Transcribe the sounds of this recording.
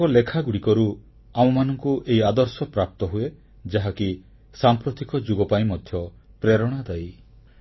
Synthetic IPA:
ɔlekʰaɡuɽikɔɾu | am̃ɔmanɔŋkuʔeiad̪ɔɾsɔpɾap̚t̪ɔɦue | d͡ʒaɦaki | sampɾɔt̪ikɔd͡ʒuɡɔpaĩmɔd̪ʱjɔ | pɾeɾɔɽ̃ad̪aj

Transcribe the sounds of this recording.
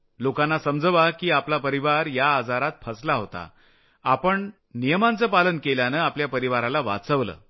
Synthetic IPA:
lokãnːasəmd͡zəʋakiːaplapəɾiʋaɾjaːd͡zaɾat̪̚fʰəslaɦot̪a̰ | apəɳ | nijəmant͡səːpalənkeljanəːapljapəɾiʋaɾalaʋa̰t͡səʋlə̰ː

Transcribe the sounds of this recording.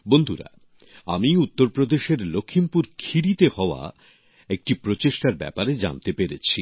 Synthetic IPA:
bond̪ʱuɾa̰ | a̰miut̪ːoɾpɾod̪eʃeɾlokʰːimpuɾkʰiɾit̪ehɔoa̰ | ek̚ʈipɾot͡ɕeʃʈaɾbɛ̰paɾed͡ʑa̰nt̪epeɾḛt͡ɕʰi

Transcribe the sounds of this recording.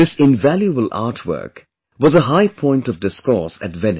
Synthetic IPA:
ɪsɪ̃nvæljəbəlʔa̰ːʈʰwɜ̰˞k | wʌzəɦaɪpʰɔ̃ɪ̃ntʌvdɪskɔ̰ɹsɨ̰tvɛ̃n

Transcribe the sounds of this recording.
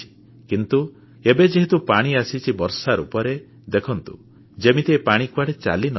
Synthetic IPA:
i̥ | kint̪u | ebed͡ʒeɦit̪upaɽ̃iasit͡ʃʰibɔɾsaɾṵpɔɾe | d̪ekʰɔnt̪u | d͡ʒemit̪epaɽ̃ikuaɽet͡ʃa̰linɔ

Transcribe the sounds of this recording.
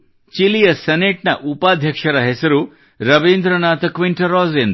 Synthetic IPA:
t͡ʃilijɐsɐneʈnɐʔupaːd̪ʱjɐkʂɐɾɐɦesɐɾu | ɾɐʋeːnd̪ɾɐnaːt̪ɐkʋiɳʈɐɾɔːzend̪

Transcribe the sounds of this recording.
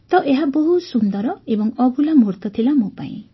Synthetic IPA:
t̪ɔʔeɦaboɦusund̪ɔɾɔebɔŋɔbʱulamuɾt̪ɔt̪ʰilamopa̰ḭ̃

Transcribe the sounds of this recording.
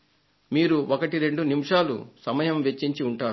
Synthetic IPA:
miːɾuʔokɐʈiɾe̞ɳɖunimʂaːlṵsɐmɐjɐmʋet͡ʃːiɲt͡ʃiuɳʈaːɾ

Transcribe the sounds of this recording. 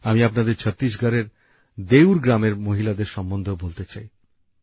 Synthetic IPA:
amiapnad̪eɾt͡ɕʰʌt̪ːɾiʃɡʱaɾeɾ | d̪ewɾɡɾameɾmoɦilad̪eɾʃɔmbond̪ʱobolt̪et͡ɕaj

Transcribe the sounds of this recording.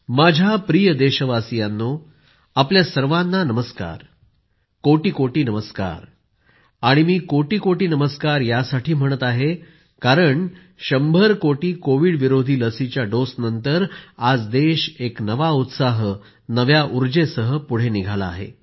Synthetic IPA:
mad͡ʑʱapɾijəd̪eɕəʋasijanːo | apljasəɾʋanːanəməska̰ɾ | koʈiːkoʈiːnəməska̰ɾ | aɽ̃imiːkoʈiːkoʈiːnəməskaɾjasaʈʰiːm̤əɽ̃ət̪aɦe | kaɾəɳ | ɕəmbʱəɾkoʈiːkoʋiɽʋiɾod̪ʱiːləsit͡ɕjaɖosnənt̪əɾad͡zd̪eɕeknəʋaut̪saɦ | nəʋjaʔuɾd͡ʑesəɦəpuɽ̤eniɡʱala̰ːɦḛ

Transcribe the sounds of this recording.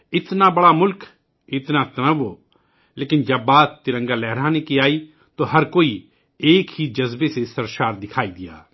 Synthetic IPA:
ɪt̪naːbəɽaːmʊlk | ɪt̪naːt̪ənəʋoː | leːkɪnd͡ʒəbːaːt̪ːɪɾə̃ŋɡaːlɛːɾãːnekiaːiː | t̪oːɦəɾkoːi | eːkɦiːd͡ʒəzbesesəɾʃaːɾd̪ɪkʰaːiːd̪ɪja̰ː

